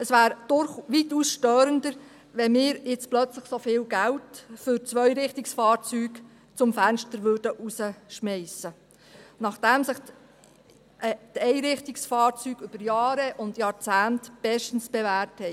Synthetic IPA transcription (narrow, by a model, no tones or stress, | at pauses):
əsʋæːɾd̥ʊɾχʋituːsʃtœːɾəndəɾ | ʋɛmɪːɾjɪt͡splœt͡sləχsofɪːlɡæltfʏɾt͡sʋœʏɾɪχtɪksfɑːɾt͡syːk | t͡sʊmfænʃtəɾʋʏːɾdəʔusəʃmɛɪsə | nɑχd̥æmsɪχ | tɛɪɾɪχtɪksfɑːɾt͡syːɡ̥ʏb̥əɾjɑːɾəʔʊndjɑːɾt͡sæːntb̥ɛʃtən̩sb̥ɛʋæːɾthɛ